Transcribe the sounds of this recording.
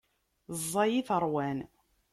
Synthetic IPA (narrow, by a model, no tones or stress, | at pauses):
zˤːɑjiθəɾˤwæn